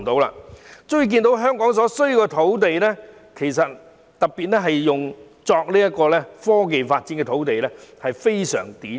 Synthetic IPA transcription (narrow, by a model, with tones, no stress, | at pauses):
t̪o˨˥wla̰ː˧t͡sɵ˥˩k̬iː˧nt̪o˨˥wɦœː˥ŋkɔː˨˥ŋs̬ɔː˨˥sɵ˥ɥji˨˧wkɛ˧t̪ʰo˨˥wt̪e˨jlɛː˥ | kʰe˨˩js̬ɐ˨t̚ | t̪ɐ˨k̚piː˨t̚lɛː˥ɦɐ˨jːʊ˨ŋ | t͡sɔː˧k̚liː˥jɐ˥t̚kɔː˧lɛː˥fɔː˥k̬e˨jfaː˧t̚t͡siː˨˥nkɛ˧t̪ʰo˨˥wt̪e˨jlɛ˥hɐ˨jfe˥jsœ̰ː˨˩ŋt̪iː˨˥